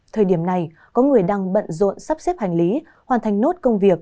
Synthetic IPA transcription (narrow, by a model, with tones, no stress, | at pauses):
t̪ʰəː˨˩jɗi˧˩əmna˨˩j | kɔ˨˦ŋɨ˨˩əjɗaː˧ŋɓə̰˧˨nzo̰˧˨nsa˦˥p̚sɛ˦˥p̚ha˨˩jŋ̟li˨˦ | hwaː˨˩nt̪ʰa˨˩jŋ̟no˦˥t̚kə˧wŋ͡mvi˨˩ək̚